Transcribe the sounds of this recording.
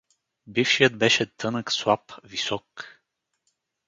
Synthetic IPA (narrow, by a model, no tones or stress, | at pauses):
bifʃijəd̪̚bɛʃɛt̪ʰɤnəkslˠapvisɔk